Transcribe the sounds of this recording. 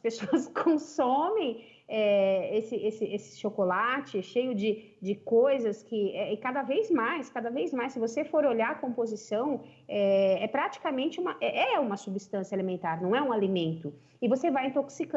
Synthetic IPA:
ɐspesoɐskʰõsõmẽj̃ | ɛesɪʔesɪʔesɪ̥ʃokolat͡ʃɪʃejʊd͡ʒɪ | d͡ʒɪkojzɐskɪɛɪkad̪ɐvejzmajskad̪ɐvejzmajsɪvosefoɾoʎakõpozisɐ̃w̃ɛɛpɾat͡ʃi̥kamẽnt͡ʃɪũmɐʔɛʔɛũmɐsubist̪ɐ̃sjɐelemẽnt̪aɾnɐ̃w̃ɛũalimẽnt̪ʊ | ɪvosevajẽt̪oksik

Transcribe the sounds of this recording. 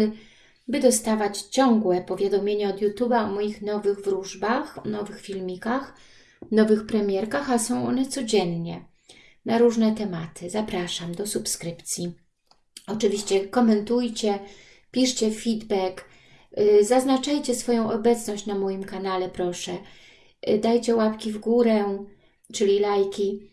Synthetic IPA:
bɘd̪ɔst̪avat͡ɕt͡ɕɔŋɡwɛpɔvʲjad̪ɔmʲjeɲaɔd̪jut̪ubaɔmɔjixnɔvɘɣvɾuʐbaxnɔvɘxfʲilmʲikax | nɔvɘxpɾɛmʲjɛɾkaxasɔ̃w̃ɔnɛt̪sɔd͡ʑɛnɲɛ | naɾuʐnɛt̪ɛmat̪ʰɘzapɾaʂamd̪ɔsupskɾɘpt̪sʲji | ɔt͡ʂɘvʲiɕt͡ɕɛkɔmɛnt̪ujt͡ɕɛ | pʲiʂt͡ɕɛfʲid̪bɛk | zaznat͡ʂajt͡ɕɛsfɔjɔ̃w̃ɔbɛt̪snɔɕt͡ɕnamɔjimkanalɛpɾɔʂɛ | d̪ajt͡ɕɛwapkʲivɡuɾɛ | t͡ʂɘlʲilajkʲi

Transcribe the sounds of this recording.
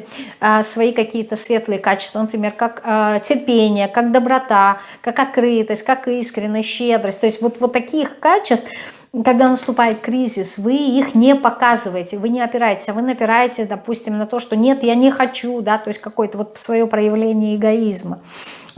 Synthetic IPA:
əsvɐikɐkʲijət̪əsvʲe̞t̪lˠɨjəkat͡ɕɪ̥st̪vənəpɾʲɪmʲerkakətʲɪrpʲenʲɪjəkaɡ̚d̪əbɾɐt̪a | kakɐt̪̚kɾɨt̪əsʲtʲkakiskɾʲɪnʲːəjɕːe̞d̪ɾəsʲtʲt̪o̞ɪsʲtʲvo̞t̪vo̞t̪ːɐkʲixkat͡ɕɪst̪ | kɐɡ̚d̪anəst̪ʊpajɪt̪̚kɾʲizʲɪsvɨixnʲɪpɐkazɨvəjɪtʲɪvɨnʲɪɐpʲɪɾajɪtʲɪ̥sʲaɐvɨnəpʲɪɾajɪtʲɪsʲd̪ɐpusʲtʲɪmnɐt̪o̞ʂt̪o̞nʲe̞t̪janʲɪxɐt͡ɕud̪at̪o̞jɪsʲtʲkɐko̞jət̪əvo̞t̪svɐjo̞pɾəjɪvlʲenʲɪjəɪɡɐizmə

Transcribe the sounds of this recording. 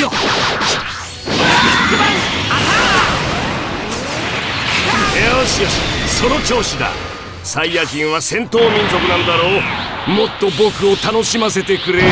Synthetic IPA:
o | aaa | eoɕijoɕi̥so̞no̞t͡ɕo̞ːɕid̪a̰ | saijakĩɰ̃βasẽ̞nt̪o̞ːmʲĩnzo̞kɯ̟nãnod̪aɾo̞ː | mo̞t̪ːo̞bo̞kɯ̟o̞t̪ano̞ɕimase̞t̪e̞kɯ̟ɾe

